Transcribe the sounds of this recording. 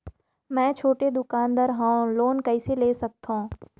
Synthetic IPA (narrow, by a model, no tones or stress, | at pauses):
mɛ̃ːt͡ʃʰoːʈed̪ʊkaːnd̪əɾɦãːloːnkɐiseleːsɐk̚t̪aõː